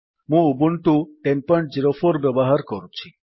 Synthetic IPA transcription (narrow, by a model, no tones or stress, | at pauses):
mũubuɳʈuʈenpɔɳʈ̚d͡ʑiɾofʰoɾbɔbɔɦaɾkɔɾut͡ʃʰi